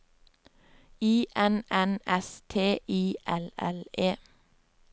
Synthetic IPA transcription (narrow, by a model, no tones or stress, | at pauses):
iːʔɛnɛnɛst̪ʰeːʔiːʔɛlɛ̰leː